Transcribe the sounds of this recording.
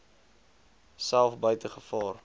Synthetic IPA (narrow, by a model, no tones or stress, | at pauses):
sælˠfbœɥtəχəfɑːr